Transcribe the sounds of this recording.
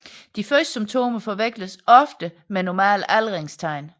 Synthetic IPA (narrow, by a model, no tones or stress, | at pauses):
d̥ifɶsd̥ə̥symt͡sʰo̝̰ːməfɒ̽ʋeɡ̥ləsɒ̽fd̥ə | menɒmɛ̰ːlælʁeŋst͡sʰɑ̈ɪ̰n